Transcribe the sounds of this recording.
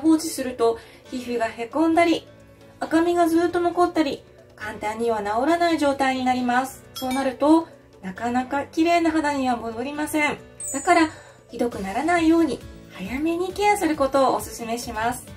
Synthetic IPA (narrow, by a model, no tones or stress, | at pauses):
ɦo̞ːt͡ɕisɨɾɯ̟t̪o̞ | çiɸɯ̟ɡahe̞kõ̞nd̪aɾʲi | akamʲiɡazɨːt̪ːo̞no̞ko̞t̪ːaɾʲi | kãnt̪ãɲ̟ːiβ̞anao̞ɾanaiʑo̞ːt̪aiɲ̟inaɾʲimasɨ̥so̞ːnaɾɯ̟t̪o̞ | nakanakakʲiɾe̞ːnaɦad̪aɲ̟iβamod̪o̞ɾʲimasẽ̞ɴ | d̪̥akaɾa | çʲid̪o̞kɯ̟naɾanaijo̞ːɲ̟ihajame̞ɲ̟ikʲiasɨɾɯ̟ko̞t̪o̞ːosɨsɨme̞ɕimasɨ̥